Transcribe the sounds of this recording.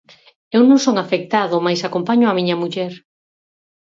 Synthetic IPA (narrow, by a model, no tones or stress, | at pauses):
ewnõŋsoŋafek̚t̪aðomajsakompaɲʊamiɲɐmuʎɛɾ